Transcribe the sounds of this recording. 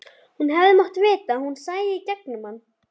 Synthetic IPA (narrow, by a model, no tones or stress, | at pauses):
hunɦɛvðɪmɔht̪veːt̪aːhunsaːjðɪicɛk̚nʏmanː